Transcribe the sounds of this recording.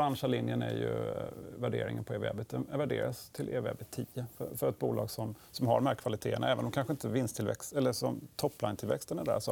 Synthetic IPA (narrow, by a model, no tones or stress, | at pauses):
ɾanʂalɪnjənæɾjɵ̰væɖḛːɾɪ̰ŋənpʰɔeːvɛ̰bət̪̚d̪ɛnvæɖeːɾast̪ʰɪlʔeːvɛ̰ːbət̪ʰːiːəfœfœɾɛt̪̚buːlɑ̰ːɡsɔmsɔmhaɖɔmhæɾkʰvalɪt̪ʰeːəna̰ɛːvənɔmkʰanɧəɪnt̪əvɪnst̪ʰɪlvɛ̰kst̪ɛlːəsɔmt̪ʰɔpːlajnt̪ʰɪlvɛkst̪ənɛd̪æ̰sɔ